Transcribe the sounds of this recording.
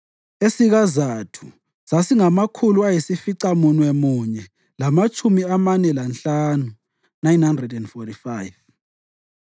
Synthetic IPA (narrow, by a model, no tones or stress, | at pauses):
esiɣazatʰu̥ | sasiŋamakʰuluajisifiǀamunwemuɲɛ | lamat͡ʃʼʰumiamanɛlanɬaːnu | najnhandrɛdɛndfɔtifaːjv